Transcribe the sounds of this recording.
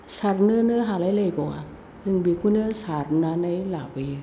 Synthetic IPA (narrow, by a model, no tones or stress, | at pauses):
saɾnɯnɯɦaːlajlejbɔa | zɯŋbikʰunɯəsaːɾnanajlaːbi